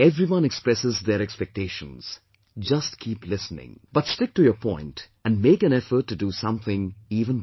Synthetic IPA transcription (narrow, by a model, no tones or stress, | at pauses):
ɛvɾiwʌ̃nɛkspɾɛsɪzd̪əɾɛkspɛk̚teːʃə̰̃nz̥ | d͡ʒʌstkʰiːplɪsnɪ̰̃ŋb̥ʌtstɪk̚tujəpʰɔ̃ɪ̃nt | æ̃nmeːkæ̃nɛfəɾʈːudusʌ̃mθɪ̃ŋiːvə̃n